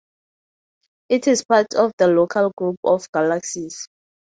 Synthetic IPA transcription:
itʰispatʰɔfdəlokʰalɡɹupɔfɡ̥alaksis

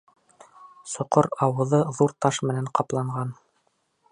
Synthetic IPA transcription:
sŏqoɾɑwɤ̆ðɤðuɾt̪ɑʃmɘ̆næɴqɑplˠɑɴʁɑn

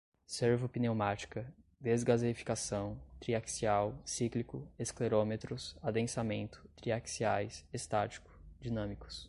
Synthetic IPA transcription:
seɾvopinewmat͡ʃi̥kɐ | d̪ezɡazeɾifi̥kasɐ̃w̃t̪ɾiaksiawsiklikʊeskleɾomet̪ɾʊsad̪ẽsamẽnt̪ʊ̥t̪ɾiaksiajsest̪at͡ʃi̥kʊ̥d͡ʒinɐ̃mikʊ̥s

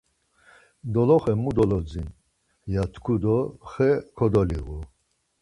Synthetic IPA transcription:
d̪ɔlɔχɛmud̪ɔlɔd͡zin | jat̪ʰkʰud̪ɔχɛkʰɔd̪ɔlḭɣu

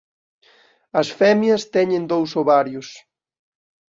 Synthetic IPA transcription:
ɐsfɛmjɐst̪ɛɲẽnd̪owsoβaɾjʊs

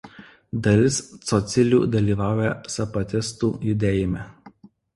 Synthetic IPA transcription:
d̪ɐlʲɪst̪sɔt̪sʲɪlʲṵːd̪ɐlʲiːʋɑˑʊjɛsɐpɐt̪ʲɪst̪uːjʊd̪ʲeːjɪmʲɛ

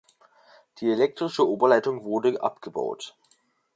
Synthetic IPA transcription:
d̥iːelɛk̚tʁ̥ɪʃəʔoːbɐlaɪtʊŋvʊɐdəʔa̰pɡ̥əba̰ʊt

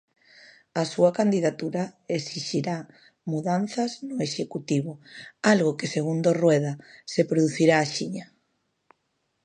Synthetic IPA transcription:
asuɐkand̪iðat̪uɾaesiʃiɾa | muðanθɐznʊeʃekut̪iβoalɣokeseɣ̞und̪orwɛðasepɾoðuθiɾaːʃiɲa

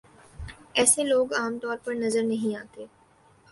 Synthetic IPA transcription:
ɛːseloːɡaːmt̪ɔːɾpɐɾnɐzəɾnɐɦĩaːt̪eː

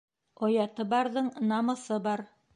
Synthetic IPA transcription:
ojɑt̪ɤbɑɾðɤɴnɑmɤ̆sɤbɑɾ

